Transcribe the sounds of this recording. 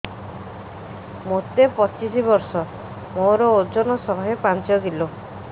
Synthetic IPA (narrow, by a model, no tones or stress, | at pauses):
mot̪epɔt͡ʃisibɔɾsɔ | moɾɔod͡ʒɔnɔsɔɦɦepant͡ʃɔɡilo